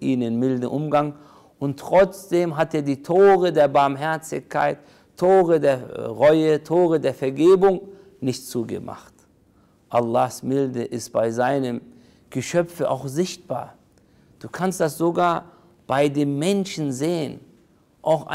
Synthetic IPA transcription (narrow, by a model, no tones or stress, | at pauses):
ʔiːnənmɪldn̩ʔʊmɡaŋ | ʔʊntːʁ̥ɔt͡sd̥eːmɦateːɐdiːtʰoːʁədeːɐbaɐmɦɛɐt͡sɪ̰çkʰa̰ɪtʰː | oːʁədeːɐʁɔʏətʰoːʁədeːɐfɛɐɡeːbʊŋ | nɪçtt͡suːɡə̰ma̰χt | ʔalːaːxsmɪldəʔɪstb̥aɪzaɪnəm | ɡ̥əʃœp͡fəʔa̰ʊxzɪçt̚b̥a̰ːɐ | d̥uːkʰanstd̥asz̥oɡaːɐ | b̥aɪdeːmːɛnʃn̩zeːən | ʔaʊxʔa̰